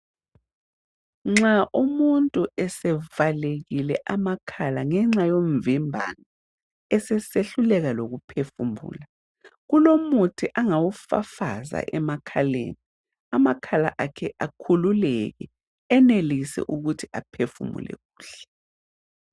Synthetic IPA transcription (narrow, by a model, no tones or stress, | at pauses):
ŋ͡ǁaʔumuntʼuʔɛsɛvaleɣilɛʔamakʰalaŋɛŋ͡ǁajoɱvimbʱa̰na | ɛsɛseɬulɛɣaloɣupʰefumbṵːla | ɣulomutʰiʔaŋawufa̰fa̰za̰ʔɛmakʰalḛːni | amakʰala̰ʔakʰɛʔakʰululɛɣɛ | ɛnelisɛ̰ʔuɣutʰiapʰefṵmṵlʔɛ̰ɣuːɬɛ̥